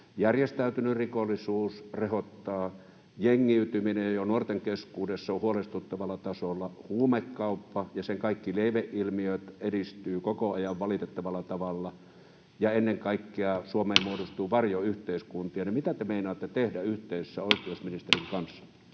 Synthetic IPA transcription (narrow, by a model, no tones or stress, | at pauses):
jærjest̪æyt̪ynyrikolːˑisuːsrehot̪ːɑː | jeŋːiyt̪yminejonuort̪eŋkeskuːdesːɑohuolest̪ut̪ːɑʋɑlːˑɑt̪ɑsolːˑɑhuːmekːɑˑupːɑjɑseŋkɑikːileˑiʋeʔʔilmiøt̪edist̪yːkokoɑjɑʋʋɑlit̪et̪ːɑʋɑlːˑɑt̪ɑʋɑlːɑ | jɑenːeŋkɑˑikːeɑsuomeːmmuodost̪uːʋɑrjoyht̪eˑiskunt̪iɑnimit̪æt̪emeinɑːt̪ːet̪ehdæyht̪eˑisesːæoˑikˑiousminist̪eriŋkɑnsːɑ̥